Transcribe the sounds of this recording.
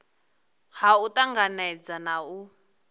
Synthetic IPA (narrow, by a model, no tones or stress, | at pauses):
hautaŋɡanɛd͡zanau